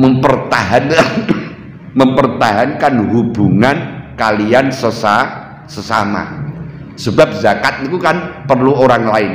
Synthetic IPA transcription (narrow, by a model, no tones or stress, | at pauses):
məmpərt̪aɦanan | məmpərt̪aɦankanhub̥uŋankaliansəsa | səsama̰ | səba̤p̚zakat̪̚nikukanpərluoɾaŋlaɪn